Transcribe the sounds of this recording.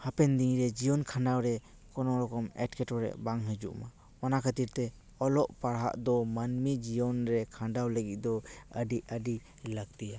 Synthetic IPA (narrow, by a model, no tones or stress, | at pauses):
hapɛnd̪iŋɾɛd͡ʒijɔnkʰaɳɖawɾɛ | kɔnɔɾɔkɔmɛ̰ʈkʰɛʈɔɾɛ̰ʔbaŋɦəd͡ʒṵʔma | manakʰət̪iɾt̪ɛ | ɔlɔʔpaɽɦa̰ʔd̪ɔmanmid͡ʒijɔnɾɛkʰãɳɖawləɡit̪̚ˀd̪ɔəɖiəɖi | laɡ̚t̪ija